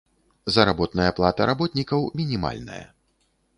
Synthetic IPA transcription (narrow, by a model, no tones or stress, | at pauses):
zɐɾabɔt̪nɐjɐplˠat̪ɐɾabɔt̪nʲikɐwmʲinʲima̰lʲnɐ̰jɐ̰